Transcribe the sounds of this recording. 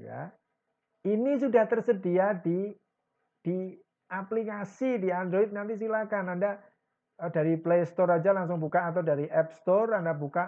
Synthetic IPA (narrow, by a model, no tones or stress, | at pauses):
ja̰ | inisudaht̪ərsədiadi | d̥i | aplikasidiand̪ɾoit̪̚nant̪̬is̬ilakananda | əd̥aɾiplest̪ɔɾad͡ʒalaŋsʊŋbukaːt̪̬awdaɾiʔɛp̚st̪ɔrandabuka